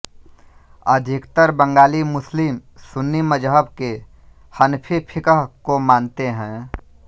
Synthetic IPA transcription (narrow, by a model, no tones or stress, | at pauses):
əd̪ʱɪkt̪əɾbə̃ŋɡaːlimʊslɪmsʊnːiməd͡ʒɦəbke | hənpʰipʰɪkəɦkomaːnt̪eɦɛ̃ː